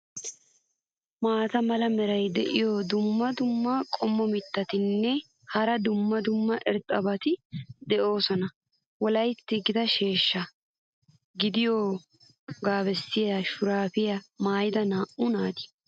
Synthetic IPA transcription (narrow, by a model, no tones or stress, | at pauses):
maːt̪ɐmɐlɐmɛɾɐjd̪ɛʔɪjoːd̪ʊmːɐd̪ʊmːɐkʼɔmːɔmɪt̪ːɐt̪ɪnːɛ | hɐɾɐd̪ʊmːɐd̪ʊmːɐʔɛɾt̪ʼɐbɐt̪ɪd̪ɛʔo̞ːsɔnɐ | wɔlɐjt̪ːɪɡɪd̪ɐʃe̞ːʃːɐ | ɡɪd̪ɪjoː | ɡaːbɛsːɪjɐʃʊɾaːfɪjɐmaːjd̪ɐnaːʔʊnaːd̪ɪ̥